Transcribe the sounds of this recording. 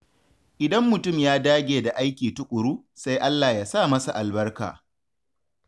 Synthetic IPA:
ʔɪ˨dɐ˦mːʊ˨tʊ˦˨mjaː˦daː˦ɡʲeː˨da˨ʔa˦jkʲiː˨tʊ˦kʷʼʊ˨ɾuː˦ | sa˦jʔa˦lːaː˨jaː˦saː˦˨mɐ˦sa˨ʔa˨lbɐ˦rka̰ː˨

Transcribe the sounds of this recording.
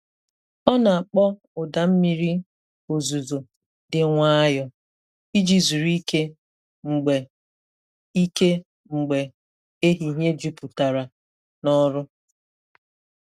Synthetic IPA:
ɔ˦na˨a˨k͡pɔ˦ | ʊ˨da˨m̩˦mi˦ɾi˦ | o˨zu˨zo˨ | dɪ˨ŋʷa˦a˦jɔ˦ | i˦d͡ʒi˦zu˨ɾi˦ke˦ | ŋ͡m̩˨ɡ͡be˨ | i˦ke˦ | ŋ͡m̩˨ɡ͡be˨ | e˦ɦi˨ɦe˦d͡ʒu˦pʊ˨ta˨ɾa˨ | nɔ˦ɾʊ˦

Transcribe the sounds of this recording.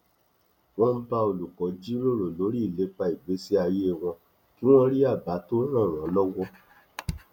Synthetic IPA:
w̃ɔ̃˦m̩˦ba˧o˨lu˨kɔ˨˦d͡ʒi˦ɾo˦˨ɾo˨lo˨˦ɾi˦˨le˨˦k͡pa˧i˨ɡ͡be˨˦si˦a˧je˦˨w̃ɔ̃˧ | ki˨˦w̃ɔ̃˦ɾi˦a˦˨ba˨˦to˦ɾã˦˨ɾ̃ã˨˦lɔ˦wɔ˦

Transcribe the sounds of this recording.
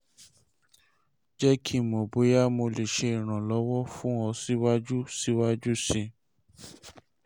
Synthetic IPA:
d͡ʒɛ˦kʰi˦mõ˨bo˨˦ja˦mo˧le˨ʃe˧˦i˨ɾ̃ã˨lɔ˨˦wɔ˦fũ˦ɔ˧si˦wa˦d͡ʒu˦si˦wa˦d͡ʒu˦sĩ˧

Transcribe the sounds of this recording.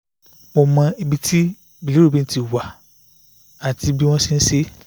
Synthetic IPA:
mo˨˧mã˧i˧bi˧ti˦ | bi˨li˨˦ɾo˦˨bi˦n̩˦ti˨wa˨ | a˨ti˧bi˦w̃ɔ̃˦si˧n̩˦se˦

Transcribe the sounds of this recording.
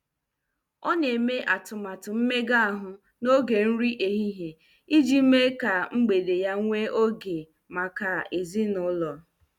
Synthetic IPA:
ɔ˦ne˨me˦ʔa˨tʊ˨ma˨tʊ˨m̩˦me˦ɡa˦a˨ɦʊ˨ | no˦ɡe˨n̩˦ɾi˦ʔe˨ɦi˦ɦe˨ | i˦d͡ʒi˦m̩˦me˦ka˨ŋ͡m̩˦ɡ͡be˨de˨ja˦ŋʷe˦ʔo˦ɡe˨ | ma˨ka˨e˨zi˦nʊ˨˦lɔ˨

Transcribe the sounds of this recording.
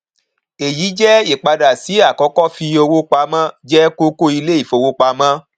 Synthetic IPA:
e˨jiː˨˦d͡ʒɛ˦i˦˨k͡pa˧da˨si˨˦a˦˨kɔ˨˦kɔ˦˨fi˧˦o˧wo˦k͡pa˧mã˦d͡ʒɛ˦ko˦ko˦i˧le˦i˦˨fo˨˧wo˦k͡pa˧mã˦

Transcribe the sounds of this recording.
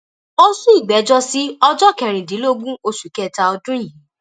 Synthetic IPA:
o˦sũ˦i˦˨ɡ͡bɛ˨˦d͡ʒɔ˦si˦ɔ˧d͡ʒɔ˦kɛ˨ɾ̃ĩ˨dĩ˨˦lo˦ɡũ˦o˧ʃu˨kɛ˦˨ta˧ɔ˧dũ˦ji˦˨

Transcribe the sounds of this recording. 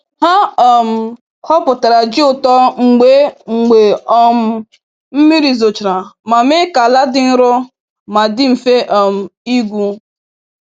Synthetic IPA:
ha˦ɔ˨m̩˨ | hɔ˦pʊ˨ta˨ɾa˨d͡ʒɪ˦ʊ˨tɔ˦ŋ͡m̩˨ɡ͡be˨˦ŋ͡m̩˨ɡ͡be˨ɔ˦m̩˨ | m̩˦mi˦ɾi˨zo˨t͡ʃɾa˨ma˨me˦ka˨la˦dɪ˦n̩˦ɾʊ˦ | ma˨dɪ˦m̩˨fe˦ʔɔ˨m̩˨i˦ɡʷu˦

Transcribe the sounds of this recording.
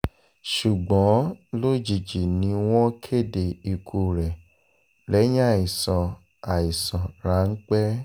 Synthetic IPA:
ʃu˨ɡ͡bɔ̃˨˦lo˦d͡ʒi˨d͡ʒi˨nĩ˧w̃ɔ̃˦kʰe˦˨de˨i˧kʰu˧ɾɛ˨ | lɛ˨˦j̃a˦˨i˨sɔ̃˨ | a˨i˨sɔ̃˨ɾa˨˦ŋ̩˦k͡pɛ˦

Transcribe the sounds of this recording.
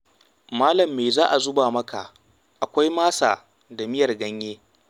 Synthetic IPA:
maː˦lɐ˨mːe˨zaː˦ʔa˨zʊ˦baː˨mɐ˦ka˨ | ʔa˨kʷa˦jmaː˦saː˨ | da˨mɪ˦jɐ˨rɡɐ˦ɲjeː˦

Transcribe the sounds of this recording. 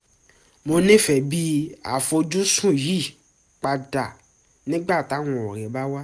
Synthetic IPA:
mo˧nĩ˦fɛ˨bi˦a̰˨fo˧d͡ʒũ˦sũ˦˨ji˦˨ | k͡pa˧da˨ | nĩ˦ɡ͡ba˦˨ta˨˦wɔ̃˨o˨ɾɛ˨˦ba˦wa˦

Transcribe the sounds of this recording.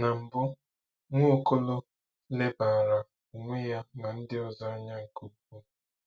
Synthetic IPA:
na˨m̩˨bʊ˦ | ŋʷo˦ko˦lo˦ | le˦baː˨ɾa˨ | o˨ŋʷe˦ja˦na˨n̩˦dɪ˦ɔ˨za˦ɲa˦ŋ̩˨ko˦ku˦

